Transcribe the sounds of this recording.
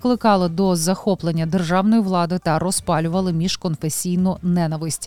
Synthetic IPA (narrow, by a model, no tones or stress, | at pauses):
klˠɪkɑlˠɪd̪ɔzɐxɔplˠenʲːɐd̪erʒɑwnɔjiʋlˠɑd̪ɪt̪ɐɾɔspɑlʲʊʋɐlˠɪmʲiʒkɔnfesʲijnʊnɛnɐʋɪsʲtʲ